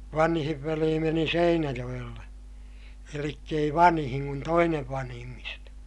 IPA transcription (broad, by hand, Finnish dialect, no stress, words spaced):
ʋɑnhiʋ ʋeliː meni seinæjoj̆elːe elikː ei ʋɑnhiŋ kun toineʋ ʋɑnhimːistɑ